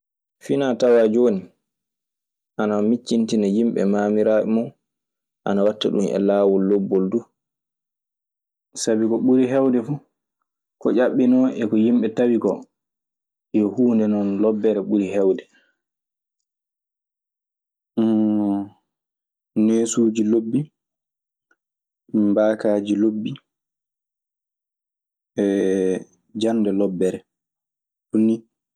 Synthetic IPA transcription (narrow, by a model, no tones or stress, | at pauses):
finatawad͡ʒoːni | ʔanamit͡ʃːintinɛjimɓɛ̰maːmiɾaːʔḭmɔn | ʔa̰nawatːa̰ɗumɛ̰laːwɔlːobːɔlduː | sabikɔɓuɾiɦɛwdɛfu | kɔʔaɓːinɔʔɛkɔjimɓɛtawikɔ | jɔhuːndɛnɔnlɔbːɛɾɛɓuɾiɦɛwdɛ | neːsuːd͡ʒilobːi | mbaːkaːd͡ʒilobːi | ɛ | d͡ʒandɛlɔbːɛɾɛ | tunːi